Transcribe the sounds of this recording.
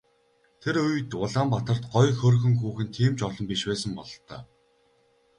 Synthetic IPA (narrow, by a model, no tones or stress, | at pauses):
t̪ʰeɾɵjt̪ʊɮaːmpat̪ə̆r̥t̪ɢɔjxɵrxɵ̆ŋxuːxɘ̆nt̪ʰiːmt͡ɕɔɮɞ̆mpiʃwæːsə̆mpɔɮ̆t̪ːœ̰ː